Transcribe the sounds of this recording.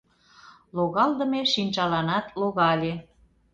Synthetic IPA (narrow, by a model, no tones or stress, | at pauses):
loɣɑld̪ə̆meʃinʲt͡ɕɑlɑnɑt̪loɣɑlʲe